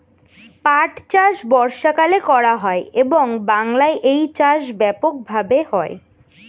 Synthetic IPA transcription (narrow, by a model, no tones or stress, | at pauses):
paʈt͡ɕaʃbɔɾʃakalekɔɾaɦɔeeboŋbaŋlaeʔejt͡ɕaʃbɛpok̚bʱabehɔe